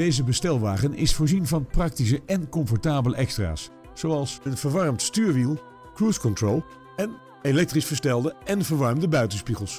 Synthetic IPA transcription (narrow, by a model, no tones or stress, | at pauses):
d̥ejzəbəstɛlˠʋaːχənɪ̰sfʊːɹzinvɑnprɑktis̬əʔɛnkɔmfɔɹtaːbələʔɛkstra̰ːs | z̥owɑlˠsənvəɹʋɑɹmtstyːɹʋilˠ | kruskɔntrolˠ | ɛn | elɛk̚trisfəɹstɛlˠdəɛnvəɹʋɑɹmdəbœɥtənspiχəlˠs